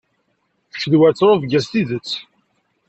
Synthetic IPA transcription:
θçəðwæt͡sːɾˤovɡæst̪iðət͡sː

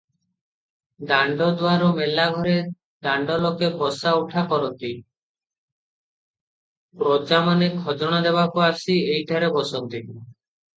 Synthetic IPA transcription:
d̪aɳɖɔd̪waɾumelaɡʱɔɾe | d̪aɳɖɔlokebɔsauʈʰakɔɾɔnt̪i | pɾod͡ʒamanekʰɔd͡ʒɔɽ̃ad̪ebakuasiejʈʰaɾebɔsɔk̚d̪i

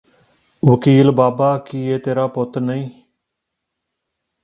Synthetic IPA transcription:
ʋəkiːlbaːbaːkiːeːt̪eːɾaːpot̪nəĩː

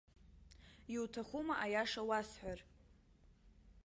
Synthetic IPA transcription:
jiwtʰaχumaʔajaʂawasħʷᶣar

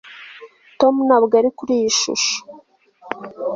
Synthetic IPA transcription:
to̞munaβɡaɾikuɾijiʃṵʃo̥

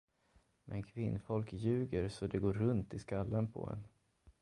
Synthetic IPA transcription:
mʔɛnkʰvɪnːfɔlkjʉ̟ːɡəɾsɔd̪ɛɡoːɾːɵnt̪ɪskalːənpʰɔ̰ɛ̰n

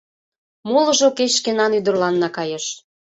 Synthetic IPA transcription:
molɤ̆ʒokeʃkenɑnyd̪ə̆rlɑnːɑkɑjeʃ

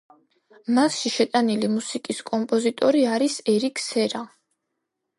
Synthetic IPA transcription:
masʃiʃɛt̪ʼanilimusikʼiskʼɔmpʼɔzit̪ʼɔɾiaɾisɛɾikʰsɛɾa

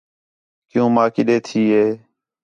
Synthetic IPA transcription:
kɪjũːmãːkɪɗeːt̪ʰiːɦeː

